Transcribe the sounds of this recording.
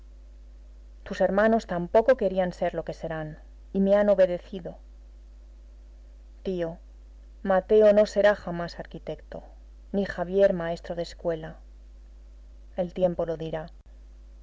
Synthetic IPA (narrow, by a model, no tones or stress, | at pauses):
t̪use̞ɾmãno̞st̪ampo̞ko̞ke̞ɾianse̞ɾloke̞se̞ɾan | ime̞ano̞βe̞ðe̞θiðo̞ | t̪io̞ | mat̪e̞ono̞se̞ɾaxamasaɾkit̪e̞kt̪o̞̰ | nixaβ̞je̞ɾmae̞st̪ɾo̞ð̞e̞skwe̞la | e̞lt̪je̞mpo̞lo̞ðiɾa